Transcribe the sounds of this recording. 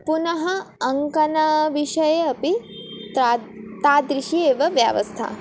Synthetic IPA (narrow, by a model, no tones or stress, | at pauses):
punɐɦɐːŋkɐnaʋiʃɐjeɐpi | t̪aːd̪ɾɪʃieːʋɐʋja̰ːʋɐ̰st̪ʰa̰